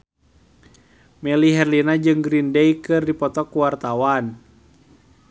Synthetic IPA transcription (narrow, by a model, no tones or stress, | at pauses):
mɛliɦɛrlinad͡ʒɨŋɡɾindejkɨrdipɔt̪ɔkuwart̪awan